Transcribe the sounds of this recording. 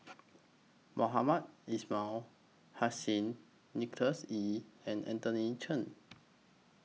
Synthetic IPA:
mʔoɦamat̚isma | hasĩnː | iktəsiɛ̃nɛ̰̃ntənit͡ʃʰə̃n

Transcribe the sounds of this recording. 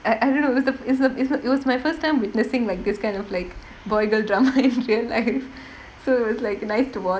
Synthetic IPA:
aɪʔaɪdõːnːoɪɔsd̪əɪsəɪsnɪʋɔzmaɪfəɾsʈʰːãɪ̃mʋɪʈnɪsɪ̃ŋlaɪk̚d̪ɪskãɪ̃ndɔflaɪk | bɔɪɡəlɖɾaːmaɪ̃nɾiəlːaɪf | soːɪtʋɔzlaɪknaɪsʈuʋɔ

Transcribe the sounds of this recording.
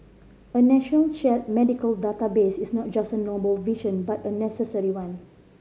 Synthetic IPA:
ənɛʃɔnəlʃɛt̚mɛdikəldatabesisnɔt̚d͡ʒasənobəlviʃə̃nbatənɛsəsəɹiwãn

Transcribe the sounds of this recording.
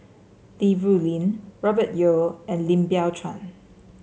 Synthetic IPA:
d̥ivɹulĩnɹɔbət̚joɛ̃nlĩmbiatʰɹã̰n

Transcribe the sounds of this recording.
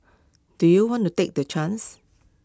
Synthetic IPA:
d̥ujuwɔ̃ntutek̚dət͡ʃʰãns

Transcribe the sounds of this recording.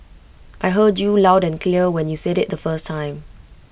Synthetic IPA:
ʔajɦəd͡ʒjulaʊdɛ̃nkʰliəwɛ̃njusɛɾɪt̚d̪əfəstʰːãɪ̃m

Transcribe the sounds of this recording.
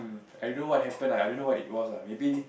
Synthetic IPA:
m | ajdõnowɔt̚hɛpə̃nlaajdõnːowɔtit̚wɔslamebi

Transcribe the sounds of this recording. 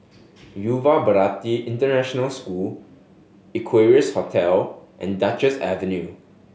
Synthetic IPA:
juvabəɹatiʔĩntənɛʃɔnəlskul | ikʰweɹiəshɔtʰɛlʔɛ̰̃ndat͡ʃəsɛvə̃nju

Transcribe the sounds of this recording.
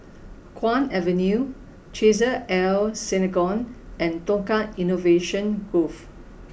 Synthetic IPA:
kʰwãnɛvə̃nju | t͡ʃezəʔɛlsɛneɡɔ̃nɛ̃ntõŋkãinoveʃə̃nɡof

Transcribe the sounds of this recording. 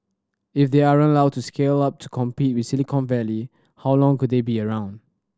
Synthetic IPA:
ifdeaɹə̃lawd̚tuskʰelap̚tʰu̥kʰɔ̃mpit̚wɪsilikʰɔ̃nvɛli | hawlɔ̃ŋkud̚debiəɹãʊ̃nd

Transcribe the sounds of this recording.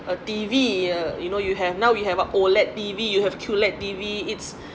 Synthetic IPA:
ətiviəjunojuɦɛvnawwiɦɛvaolɛt̚tivijuhɛvkʰjulɛt̚tiviits

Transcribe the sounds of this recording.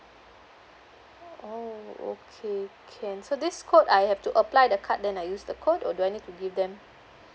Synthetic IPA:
oo̰kʰekʰɛ̃nsodiskʰotajhɛftuʔəplajdəkʰat̚dɛ̃najusdəkʰotɔduajnid̚tːuɡivdɛ̃m

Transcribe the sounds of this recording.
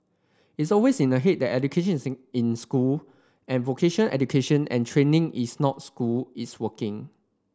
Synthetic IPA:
itsɔlwesĩnəɦet̚dɛtɛdukʰeʃə̃nsĩnskul | ɛ̃nvokʰeʃə̃nɛ̰dukʰeʃə̃nʔɛ̰̃ntʰɹẽnɪ̃ŋʔisnɔt̚skulitswəkɪ̃ŋ

